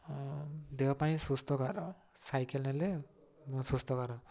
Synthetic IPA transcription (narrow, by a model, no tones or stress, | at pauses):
d̪ewpajĩsust̪ʰɔkaɾɔ | sajkelnɛle | sust̪ʰɔkaɾɔ